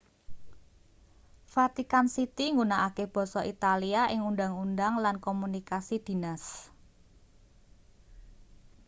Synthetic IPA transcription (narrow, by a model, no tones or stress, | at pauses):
fat̪ikansit̪iŋɡunaʔakeb̥ɔ̤sɔʔit̪aliaʔɪŋundaŋundaŋlankomunikasid̪̥i̤nas